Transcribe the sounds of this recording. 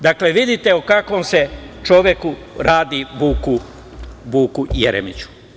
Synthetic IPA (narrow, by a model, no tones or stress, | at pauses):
d̪akleʋid̪it̪eukakʋomse̞t͡ʃo̞ʋjeku | ɾaːd̪iʋuːku | ʋuːkujḛɾḛmit͡ɕu̥